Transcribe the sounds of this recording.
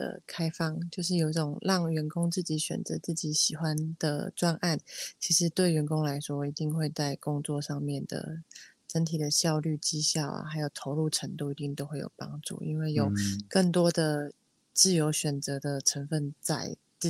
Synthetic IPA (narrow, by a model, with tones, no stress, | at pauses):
ə̰˩kʰa˥ɪfɑ˥˩ŋt͡ɕjo˥˧ʊʂ̬ɻ̩˥˩jo˨ʊi˥˩ʈ͡ʂʊo˨˩ŋlɑ˥˩ŋɥɛ˧˦˥nkʊ˥ŋt͡sɹ̩˥˩t͡ɕi˧˥ɕɥɛ̰˨˩nt͡sə̰˧˥t͡sɹ̩˥˩t͡ɕi˧˥ɕi˨˩xwa˦nd̪̥ə̰˨ʈ͡ʂwa˥nʔa˥˩nt͡ɕʰi˧˥ʂɻ̩˧˥t̪we˥˩ɪɥɛ˧˥nkʊ˥ŋla˧˥ɪʂwɔ˥i˧˥t̪i˥˧ŋxwe˥˧ɪt͡sa˥˩ɪkʊ˥ŋt͡swɔ˥˧ʂɑ˥˧ŋmjɛ˥˩nd̪ə̰˩ | ʈ͡ʂə˥nt̪ʰi˨˩d̪ə˦ɕjɑ˥˧ʊly˥˩t͡ɕi˥ɕjɑ˥˩ʊlə̰˨˩xa˧˥ɪjo˨˩ʊt̪ʰo˧˥ʊlu˥˩ʈ͡ʂʰə˧˥ŋt̪u˥˩i˧˥t̪i˥˩ŋt̪o˥ʊxwe˥˩jo̰˨˩ʊpɑ̰˥ŋʈ͡ʂṵ˥˩ḭ˦˥nwe˥˩ɪjo˨˩ʊkə˥˩ŋt̪wɔ˥d̪ə˨ | t͡sɹ̩˥˩jo˧˥ʊɕɥɛ˨˩nt͡sɤ˧˥d̪ə˨ʈ͡ʂʰə˧˥nfə˥˧nt͡sa̰˥˧ɪ˥